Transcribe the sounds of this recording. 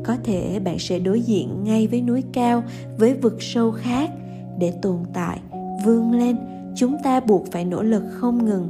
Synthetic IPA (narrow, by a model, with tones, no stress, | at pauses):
kɔ˨˦t̪ʰe˧˩ɓa̰ː˧˨nsɛ̰˧˥ɗo˨˦jzḭ˧˨ənŋa˧jvəː˨˦jnu˨˦əjkaː˧w | vəː˨˦jvɨ˨˩k̚sə˧wxaː˦˥k̚ | ɗe˧˩t̪o˨˩ənt̪a̰ː˧˨j | vɨ˧əŋle˧n | t͡ɕʊ˨˦ŋ͡mt̪aː˧ɓu˨˩ət̚faː˧˩jno̰˧˥˩lɨ˨˩k̚xə˧wŋ͡mŋɨ˨˩ŋ